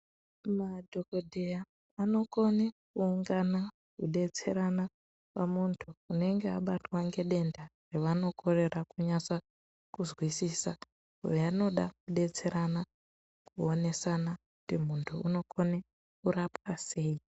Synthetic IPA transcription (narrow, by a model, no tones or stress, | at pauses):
madʱo̞ko̞dʱejaː | no̞ko̞nekuːŋɡana | kuɗe̞t͡se̞ɾana | pamuntʰuːne̞ŋɡeaɓatwaŋɡe̞ɗe̞ndare̞ʋano̞kʰo̞re̞rakuɲasa | kuzwisisa | ṵjeano̞ɗakuɗe̞t͡se̞ɾana | kuo̞ne̞sanaku̥timuntʰuuno̞ko̞ne | kurapwase̞ːi